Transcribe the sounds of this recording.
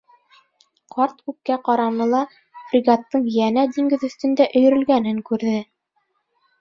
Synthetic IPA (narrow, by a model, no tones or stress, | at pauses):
qʰɑɾt̪kʉp̚kæqɑɾɑmɤ̆lˠɑ | frʲiɡɑt̪ːɤɴjænæd̪iŋɡɘðɵ̆θt̪ɵ̆nd̪æʔɵ̆jɵ̆ɾɵ̆lɡænɘŋkʉɾðɘ